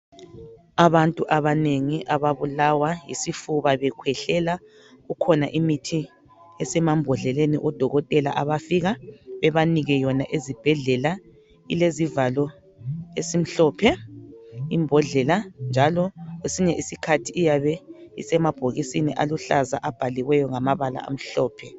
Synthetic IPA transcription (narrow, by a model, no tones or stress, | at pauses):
aβantʼuʔaβaneŋiʔaβaβulawajisifuβaβɛkʰwɛɬɛla | ɣukʰɔnaʔimitʰi | ɛsɛmambʱɔɮɛlenḭʔɔd̥ʱɔɣɔtʼɛla̰ʔaβafiɣaβɛβaniɣɛjɔnaʔezib̥ʱɛɮɛla | ḭlezivalɔ | esim̩ɬɔːpʰɛ | imbʱɔɮɛland͡ʒʱalɔɣwesiɲɛʔisikʰatʰiːjaβɛḭsɛmab̥ʱoɣisiniʔaluɬaza̰ʔab̥ʱaliɣwɛjɔŋamaβala̰a̰m̩ɬɔːpʰɛ